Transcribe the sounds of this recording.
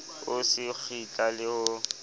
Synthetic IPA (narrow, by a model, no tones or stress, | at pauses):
ʊsɪk͡xʰit͡ɬʼalɪhʊ